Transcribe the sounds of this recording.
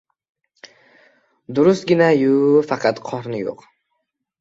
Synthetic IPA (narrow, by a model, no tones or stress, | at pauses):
d̪ʊɾʊst̪ɡʲɪnajʊfɑqʰɑt̪qʰɒɾnɪjo̰q